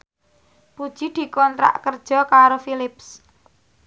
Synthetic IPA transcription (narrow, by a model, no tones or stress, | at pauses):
pud̥ʒ̥id̪̥i̤kɔnt̪ɾa̰ʔkərd̥ʒ̥ɔ̤kaɾofilɪps